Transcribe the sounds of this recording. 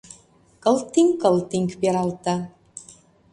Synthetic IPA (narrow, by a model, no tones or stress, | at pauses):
kəlˠt̪ːiŋkəlˠt̪iŋkbeɾalt̪a